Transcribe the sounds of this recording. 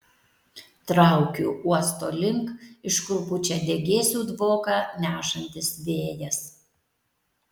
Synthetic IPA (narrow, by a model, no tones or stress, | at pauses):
t̪ɾɑˑʊkʲuːuɔst̪oːlʲɪŋkɪʃkʊbʊt͡ʃʲɛd̪ʲɛɡʲeːsʲuːd̪ʋoːkɑnʲæːʃɐnʲt̪ʲɪsʋʲeːjɛs